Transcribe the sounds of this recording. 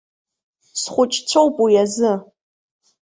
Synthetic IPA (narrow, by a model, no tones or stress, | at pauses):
sχʷʊt͡ʃʼt͡sʷʰowpʼujazɨ